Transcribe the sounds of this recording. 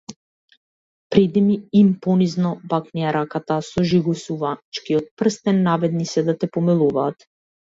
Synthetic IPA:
pɾɛd̪imiimpɔniznɔbaknijaɾakat̪asɔʒiɡusuvat͡ʃkiɔt̪̚pr̩st̪ɛnːavɛd̪nisɛd̪at̪ɛpɔmilˠuvaːt̪

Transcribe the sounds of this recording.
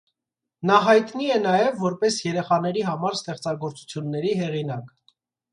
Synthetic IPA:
nɑɦɑjt̪niɛnɑjɛvːɔɾpɛsjɛɾɛχɑn̪ɛɾiɦɑmɑɾst̪ɛχt͡sɑɡɔɾt͡su̥t͡sʰjunːɛɾiɦɛʁinɑk

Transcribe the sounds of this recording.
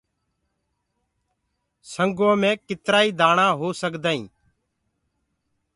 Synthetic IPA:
səŋɡõːmẽːkɪt̪ɾaːiːd̪aːɳãːɦoːsəkd̪aːḭ̃ː

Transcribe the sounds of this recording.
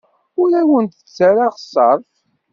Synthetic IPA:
ʊɾæwənt̪ə̥t͡sːaɾaʁsˤːɑɾˤf

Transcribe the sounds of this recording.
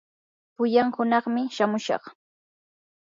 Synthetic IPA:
pʊjaŋhʊnɑχmɪʃamʊʃɑ̰χ

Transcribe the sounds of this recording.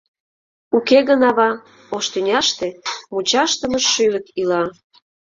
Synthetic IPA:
ukeɣənɑβɑ | oʃt̪ynʲɑʃt̪e̽mut͡ɕɑʃt̪əməʃːyləkilɑ

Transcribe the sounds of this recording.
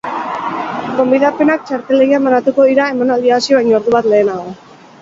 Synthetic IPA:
ɡo̞mbiðape̞nak̚t͡ʃaɾt̪e̞leɣiamanat̪uko̞ðiɾae̞manald̪iasioβajɲooɾðuβat̪le̞ːnaɣ̞o̞

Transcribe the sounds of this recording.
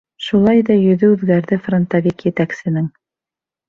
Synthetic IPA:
ʃulˠɑjðɑjɵ̆ðɵʉðɡæɾðɘfront̪avikjɘt̪æksɘ̆nɘŋ

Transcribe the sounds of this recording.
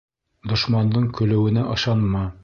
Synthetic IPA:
d̪ŏʃmɑnd̪ɤɴkɵ̆lɘ̆wɘ̆nɘʔɤ̆ʃɑnmɑ

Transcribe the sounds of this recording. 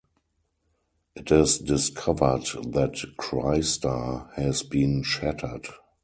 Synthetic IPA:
ʔɪtɪsdɪskʰavə˞dðætkʰɹa̰ɪstəhɛzbĩːnʃætʰə˞d

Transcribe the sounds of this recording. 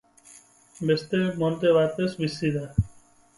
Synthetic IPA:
be̞st̪emont̪e̞βat̪e̞zβisiða

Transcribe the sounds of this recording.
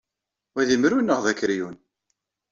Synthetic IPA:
wæðimɾunːəʁðækːɾjun

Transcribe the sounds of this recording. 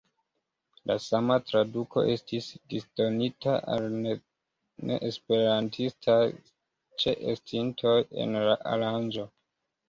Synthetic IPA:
lasamatɾadukʰo̞̰ʔe̞stisdisdo̞nita̰ʔa̰ln | nḛʔespe̞ɾantʰistʰaj | t͡ʃe̞ʔestintʰo̞jḛnlaʔa̰ɾand͡ʒo̞

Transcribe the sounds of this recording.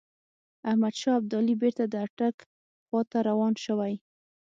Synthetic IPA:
ahmad̪ʃɑab̚d̪ɑlibeɾt̪ad̪əaʈak | xɑt̪aɾawɑnʃəwaj

